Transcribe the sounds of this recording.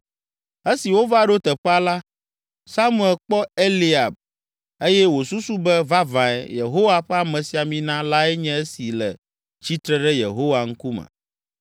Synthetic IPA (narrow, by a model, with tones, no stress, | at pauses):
e˦si˨wo˦va˦ɖo˦t̪ɛ˨ɸɛ˦a˦la˦ | sa˦mũ˦˨ɛ˨lk͡pɔ˦e˦li˦a˨b̚ | e˦jɛ˦wo˨su˦su˦bɛ˦va˦vã˨ɛ̰˨jḛ˨ɦo˦wa˨ɸɛ˦a˨mɛ̃˨si˨a˨mĩ˦nã˦la˦ɛ˦ɲɛ̃˦e˦si˨lɛ˨ | t͡ʃi˦t̪ɾɛ˦ɖɛ˦jḛ˨ɦo˦wa˨ŋ̩˦ku˦mɛ̰̃˨